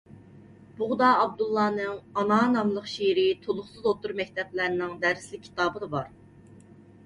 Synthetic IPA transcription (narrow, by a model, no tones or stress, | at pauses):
b̥uʁd̪ɑːb̚d̪ulˠːɑːnɨŋɑnɑːnɑmlˠəqʃijɾɪt̪ʰolˠʊχsɨzot̪uɾmɛk̚ʲt̪ʰɛplæɾnɪŋd̪æɾslɪk̚ʲʰːi̥t̪ɑːbɨd̪ɑbɑɾ